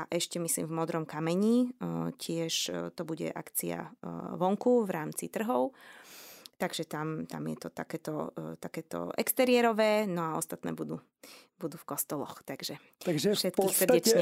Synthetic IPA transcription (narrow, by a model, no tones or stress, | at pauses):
aʔɛʃcɛmislḭːmvmɔd̪ɾɔmkamɛɲicɪɛʃt̪ɔbuɟɛ̰ʔa̰kt͡sia̰ʋɔŋkuʋɾaːmt͡sḭt̪r̩ɦɔʊ | t̪aɡʒɛt̪amt̪a̰mjɛ̰t̪ɔt̪a̰kɛːt̪ɔ̰t̪akɛːt̪ɔ̰ʔɛ̰kst̪ɛɾɪɛɾɔʋɛːnɔaɔ̰st̪at̪nɛ̰ːbud̪uː | bud̪uːfkɔst̪ɔlɔ̰xt̪aɡ̥ʒɛ | aɡʒɛfʃɛt̪kissrdɛt͡ʃɲɛ